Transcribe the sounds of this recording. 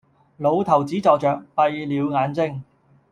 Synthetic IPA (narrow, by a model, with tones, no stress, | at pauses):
lo˨˧wt̪ʰɐ˨˩wt͡siː˨˥t͡sɔː˨k̚t͡ʃœː˨k̚pɐ˧jliː˨˧wŋaː˨˧˥nt͡sɪ˥ŋ